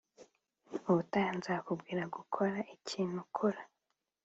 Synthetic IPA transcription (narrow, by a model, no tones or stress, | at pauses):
uβutajanzakubɡiːɾaɡukʰo̞ɾaʔicʰiːn̥hukʰoɾa